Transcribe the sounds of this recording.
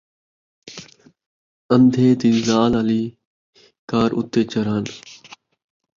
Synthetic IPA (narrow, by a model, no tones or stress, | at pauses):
ənd̪ʱeːt̪iːzaːlaːliː | kaːɾʔʊ̰t̪ːeːt͡ʃəɾaːn